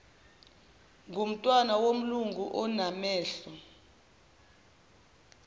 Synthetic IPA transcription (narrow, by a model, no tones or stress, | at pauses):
ŋʱum̩tʼwanawom̩luŋɡʱuʔɔnamɛːɬɔ